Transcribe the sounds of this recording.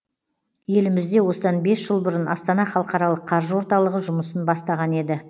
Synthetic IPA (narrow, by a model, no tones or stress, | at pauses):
je̞lɪmɪzd̪e̞wo̞səd̪ɑnbe̞sʒ̥əlˠbʊɾənɑst̪ɑnɑχɑlˠəqɑɾɑlˠəqʰːɑɾʒəwo̞ɾt̪ɑlˠəʁəʒʊməsənbɑst̪ɑʁɑne̞d̪ɪ